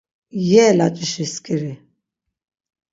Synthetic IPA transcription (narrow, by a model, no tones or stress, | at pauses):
jɛːlat͡ʃʼiʃiskʼiɾi